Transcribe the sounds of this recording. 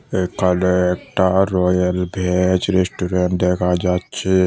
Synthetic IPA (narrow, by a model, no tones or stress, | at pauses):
ekəleek̚ʈaɾoːjəlbʱet͡ʃɾesʈuɾeɳʈ̚d̪eːkʰad͡ʒat̪t͡ʃʰi